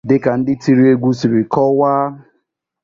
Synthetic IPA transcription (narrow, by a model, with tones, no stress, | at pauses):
dɪ˦ka˨n̩˦dɪ˦ti˦ɾi˦e˦ɡʷu˦si˨ɾi˨kɔ˦waː˦